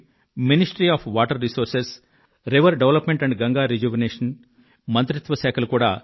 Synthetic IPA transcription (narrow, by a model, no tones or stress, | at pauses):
minisʈɐɾiaːpʰʋaːʈɐɾːisoːɾses | ɾeʋɐɾɖeʋlɐpmeɳʈɐɳɖɡɐŋɡaːɾid͡ʒuːʋineːʂɐn | mɐnt̪ɾit̪ʋɐsɛːkʰɐlukuːɽa̰ː